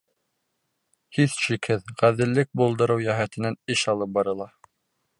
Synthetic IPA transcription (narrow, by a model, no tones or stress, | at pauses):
hiθʃikhɘðʁæðɘ̆lːɘk̚bulˠd̪ɤ̆ɾɤwjæɦæt̪ɘ̆nænɘʃɑlˠɤp̚bɑɾɤ̆lˠɑ